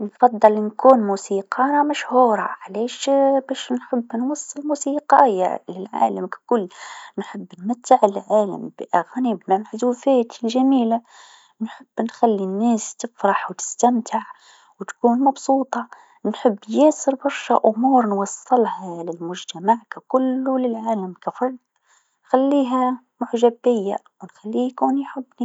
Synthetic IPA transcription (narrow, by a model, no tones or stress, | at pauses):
nfɑd̪ˤːɑlnkuːnmusiqɑɾɑmæʃhuːɾˤɑʕlæːʃbæʃnħəbːnwɑsˤːɨlmuːsiqɑja̰lɪlʕa̰ːləmkæ̥kʊlːnħəbːnmat̪ːaʕəlʕaːlə̰mbʔaɣnibmamaħd̪uːfæːt̪lʒæmiːla | nħəbːnxælːinːæːst̪ɪfɾˤɑħwt̪ɪ̥st̪amt̪ʰaʕ | wt̪kuːnmɑbsuːt̪ˤɑ | nħɪbːjɛsɨɾbɑɾˤʃa̰ʔʊmuːɾnwɑsˤːɨlhalɪlmʊʒt̪amaʕkakʊlːʊlɪlʕaːlamkafɑɾˤd̪ˤ | xalːiːɦæ | mʊħʒabɪjːa̰ | wnxælːikuːnjħʊbːni